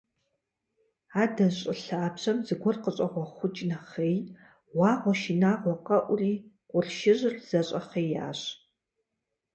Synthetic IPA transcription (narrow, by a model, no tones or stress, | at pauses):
aːdɐɕʼɪɬaːpɕɐmzɨɡʷɔrqəɕʼɐʁʷɔχʷʊt͡ʃʼnɐχej | wɑːʁʷɔʃinaːʁʷɔqɐʔʷʊriː | qʷʼʊrʃɪʑɪrz̥ɐɕʼɐχeːjja̰ːɕ